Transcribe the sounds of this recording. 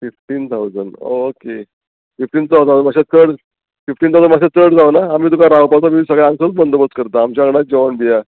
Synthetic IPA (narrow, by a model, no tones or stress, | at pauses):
fifʈiːnt̪ʰawd͡zənɳɖoke | fifʈiːnt̪at̪ad͡zəmaɕet͡sʰəɽ | fifʈinawd͡zənmaɕ̬at͡səɽd͡zawnaːmiːt̪̬ukaɾawpat͡samiːsəɡɭɛãŋsət͡sbənd̪obət͡skəɾt̪aːmt͡ɕaəɡɽad͡ʑɔənbija